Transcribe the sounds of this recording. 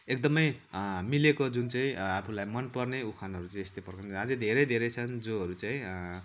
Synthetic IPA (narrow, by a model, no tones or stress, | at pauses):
ek̚d̪ʌmʌjmilekod͡zunt͡saĩapʰulajmʌnpʌrneukʰanɦʌɾut͡saĩest̪epʌrkʌnad͡zʌd̪ʱeɾʌjd̪ʱeɾʌjt͡sʰʌnd͡zoɦʌɾut͡saĩ